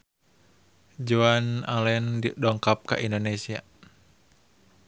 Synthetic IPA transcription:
d͡ʒuanalɛndidɔŋkap̚ka̰ʔindonesia̰

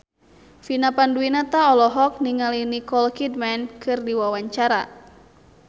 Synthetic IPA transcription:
finapanduinat̪aɔlɔɦɔk̚niŋalinikɔlkidmɛnkɨrdiwawaɲt͡ʃaɾa

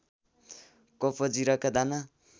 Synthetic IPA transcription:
kopʰod͡ziɾʌkad̪ana

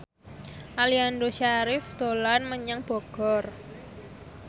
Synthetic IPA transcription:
ʔaliandoʃaɾɪfd̪̥o̤lanməɲəŋb̥ɔ̤ɡ̥ɔr

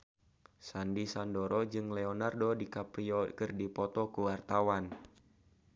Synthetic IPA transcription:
sandisandoɾɔd͡ʒɨŋlɛɔnardodikapɾiɔkɨrdipɔt̪ɔkuwart̪awan

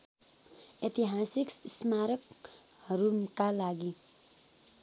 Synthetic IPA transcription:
et̪iɦasikssmaɾʌk | hʌɾumkalaɡi

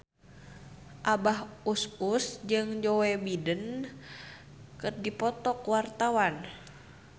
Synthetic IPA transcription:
ʔabaɦususd͡ʒɨŋd͡ʒɔwɛbidən | kɨrdipɔt̪ɔkwart̪awan

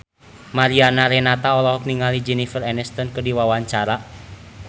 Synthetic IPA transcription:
maɾianaɾɛnat̪aɔlɔɦɔk̚niŋalid͡ʒɛnifərɛnɛst̪ɔnkədiwawaɲt͡ʃaɾa

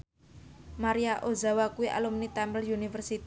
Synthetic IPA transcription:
maɾijaʔozawakuwiʔa̰lumnit̪ɛmbəljunifərsit̪i

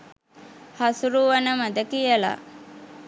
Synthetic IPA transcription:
hasuɾuʋanəmad̪əkijəla̰

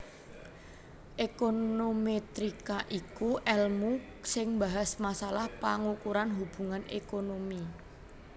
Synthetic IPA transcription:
ʔekonomet̪ɾikaʔikuʔɛlmu | sɪŋbaɦasmasalahpaŋukuɾanɦub̥ṳŋanḛkonomi

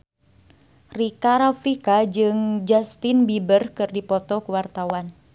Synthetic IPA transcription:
rikaɾafikad͡ʒɨŋd͡ʒast̪inbibərkɨrdipɔt̪ɔkuwart̪awan

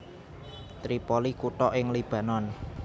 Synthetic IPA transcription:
t̪ɾipɔlikuʈɔʔɪŋlib̥ä̤nɔn

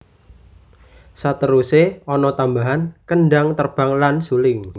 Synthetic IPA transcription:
sat̪əɾuseɔnɔt̪ambaɦankənɖaŋt̪ərb̥a̤ŋlansulɪŋ

